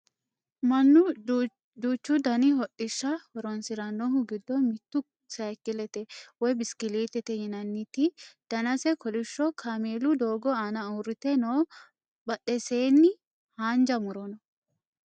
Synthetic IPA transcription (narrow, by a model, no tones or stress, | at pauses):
mɐnːʊ | d̪uːt͡ʃːʊd̪ɐnɪhɔʔɪʃːɐhɔɾɔnsɪɾɐnːɔɦʊɡɪd̪ːɔmɪt̪ːʊ | sɐjkːɪlɛt̪ɛwɔjbɪskɪliːt̪ɛt̪ɛjɪnɐnːɪt̪ɪd̪̥ɐnɐsɛkɔlɪʃːɔkʰaːmeːlʊd̪oːɡɔaːnɐʊɾɪt̪ɛnoː | bɐɗɛseːnːɪ | haːnd͡ʒɐmʊɾɔnɔ